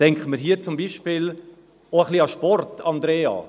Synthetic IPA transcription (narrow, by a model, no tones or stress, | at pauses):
tɛŋkχəməɾɦiət͡sʊmbiʃpɪːl | oəχliɑʃpɔrtɑnd̪ɾeːɑ̰ː